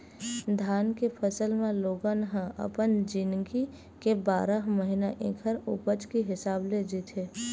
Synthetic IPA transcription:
d̪ʱaːnkepʰəsəlmẽloːɡãnəɦãʔə̰pənd͡ʒɪnɡi | kebaːɾəɦməɦɪnaʔḛ̃ːkʰəɾʊpət͡ʃkiɦɪsaːbled͡ʒit̪ʰɦeː

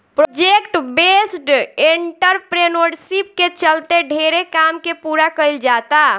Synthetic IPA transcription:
pɾod͡ʒekʈbesʈeɳʈəɾpɾenoɾɖsip̚ket͡ʃəlt̪eɖʱeɾekamkepuɾakəɪld͡ʒat̪a

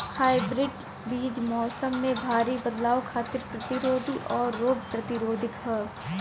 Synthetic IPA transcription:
haːɪbɾɪɖ | biːd͡ʒmɔːsəmːẽbʱaːɾibɐd̪laːwkʰaːt̪ɪɾpɾɐt̪ɪɾoːd̪ʱiʔɔːɾːoːɡpɾɐt̪ɪɾoːd̪ʱɪkɦɛː

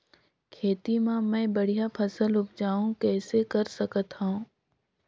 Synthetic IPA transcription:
kʰeːt̪imãmɛ̃ːbɐɽ̤ijapʰɐsəlʊp̚d͡ʒaːũkɛːsekɐɾsɐkət̪ɦã

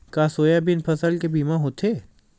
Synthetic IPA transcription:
kaːsoːjabɪnpʰɐsəlkebiːmaɦoːt̪ʰeː

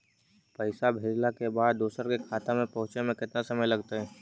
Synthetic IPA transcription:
pəɪsabʱeːd͡ʒlakebaːd̪̚ːoːsəɾkekʰaːt̪amẽpɐɦʊ̃t͡ʃnemẽkɪt̪nasɐməjlɐɡt̪aɦɛː

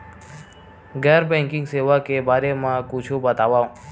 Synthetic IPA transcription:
ɡɛɾbɛ̃ŋkɪ̃ŋɡseʋakebʱaɾemãkũt͡ʃʰũbət̪aʋã

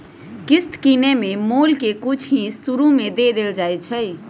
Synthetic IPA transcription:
ɡɪst̪kinemẽmoːlkekʊt͡ʃʰɦĩsuɾumẽd̪ed̪eːld͡ʒaːet͡ʃʰəj

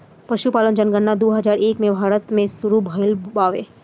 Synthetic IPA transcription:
pɐʃupaːlənd͡ʒənɡənːad̪oːɦɐzaːɾeːkmẽbʱaːɾət̪mẽsʊɾubʱəɪlbaːʋeː

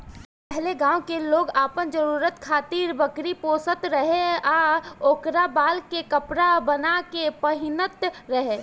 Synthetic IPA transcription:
ppɛɦleɡãːwkeloːɡaːpənd͡ʒəɾuːɾət̪kʰaːt̪iːɾbəkɾipoːsət̪ɾəɦeaːoːkɾabaːlkekəpɾabənakepəɦɪnət̪ɾəɦe

